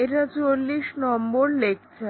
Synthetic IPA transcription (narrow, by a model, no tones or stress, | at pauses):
eʈat͡ɕolːiʃnɔmboɾlekt͡ɕʰe